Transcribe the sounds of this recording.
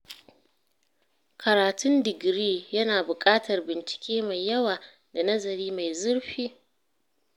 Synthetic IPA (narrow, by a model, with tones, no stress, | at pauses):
kʰɐ˨ɾaː˨tʊ˦ndɪ˨ɡɾiː˦jɐ˦naː˨bʊ˨kʼaː˦tɐ˨rbɪ˨nt͡ʃɪ̥˨kʲeː˦ma˨jːɐ˦waː˨ | da˨nɐ˦zɐ˨ɾiː˦ma˨jzʊ˦ɽɸiː˦